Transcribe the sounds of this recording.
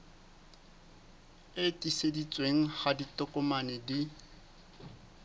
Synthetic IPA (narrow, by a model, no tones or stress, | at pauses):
ɪtʼisedit͡sʼweŋ̩χaditʼʊkʼʊmanɪdi